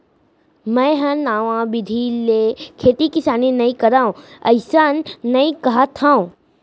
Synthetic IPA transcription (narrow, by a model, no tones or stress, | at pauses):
mɛ̃ɦɐ̃naːʋãbɪd̪ʱilekʰeːt̪ikɪsaːninɐĩkɐɾaːõɐ̰ɪsanːɐĩkɐɦat̪ʰãõ